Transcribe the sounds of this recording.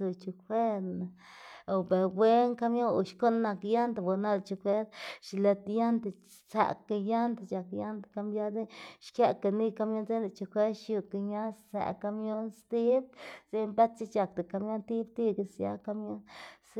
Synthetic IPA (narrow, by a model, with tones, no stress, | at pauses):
u˧t͡ʃu˧kʰwe˦ɾna˨ | o˨be˨ɾbwe˦ŋka˧mjo˦ṵ˨ʃko˦nːa˧kja˦nd̪a˨bo˨˧na˦lt͡ʃu˧kʰwe˦ɾʃi˧le˧t̪ja˦nd̪a˨ | sa̰˨ka˧ja˦nd̪a˨t͡ʃa˨kja˦nd̪ḁ˨ka˧mbja˦d̪e˦ʃkja˧ka˧ni˦ka˧mjo˦nze˦nla˨t͡ʃu˧kʷe˦ʃju˧ka˧ɲa˦ssa̰˨ka˧mjo˦nst̪i˦b̚z̥e˦mba˦t̪̚t͡ʃi˦˧t͡ʃa˨k̚t̪a˨ka˧mjo˦nt̪i˦b̚t̪i˦ɡe˧sja̰˦ka˧mjo˦ns